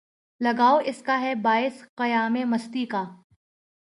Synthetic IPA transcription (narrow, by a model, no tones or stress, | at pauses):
lɐɡaːoʔɪskaɦɛbaːɪsqɐjaːmemɐst̪ikaː